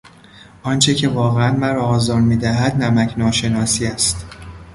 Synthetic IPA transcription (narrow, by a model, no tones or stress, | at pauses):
ʔɒːnt͡ʃʰecʰe̞vɒːɣeænmæɾɒːɒːzɒːɾmiːd̪æɦæd̪næmæcʰnɒːʃe̞nɒːsiːæst̪